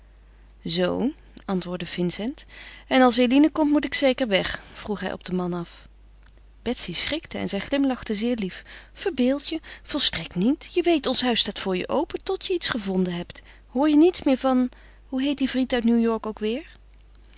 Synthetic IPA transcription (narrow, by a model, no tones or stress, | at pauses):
zow | ɑntʋʊːɹdəvɪnsɛntɛnɑlˠs̬elinəkɔmtmutɪksejkəɹʋɛχfruχɦɛ̰jʔɔ̰b̚dəmɑnɑf | b̥ɛtsisrɪktəɛ̰nzɛjχlɪmlɑχtəzɪːɹliffəɹbɪːlˠtjəv̥ɔlˠstrɛktnitjəʋejtɔnsɦœɥstaːtfʊːɹjə̰ʔowpətɔtjəitsχəvɔndənɦɛpt | hʊːɹjənitsmɪːɹvɑn | ɦuɦejt̚divrintœɥtnuwjɔɹkowkʋɪːɹ